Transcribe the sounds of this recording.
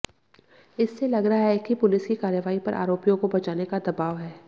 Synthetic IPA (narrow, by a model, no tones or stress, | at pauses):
ɪsːelɐɡɾɐɦaɦɛkipʊlɪskikaːɾjəʋaːipɐ̰ɾʔa̰ːɾoːpijõkobɐt͡ʃaːnekad̪ɐbaːʋɦɛː